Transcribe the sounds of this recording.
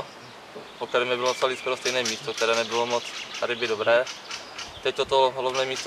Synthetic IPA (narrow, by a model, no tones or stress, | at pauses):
pok̚t̪ɛɾɛːmɪbɪlosaliskoɾost̪ɛjnɛːmiːst̪ok̚t̪ɛɾɛːnɛbɪlomot͡st̪adɪbɪdobɾɛː | t̪ɛc̚t̪ot̪oɦlavnɛːmiːst̪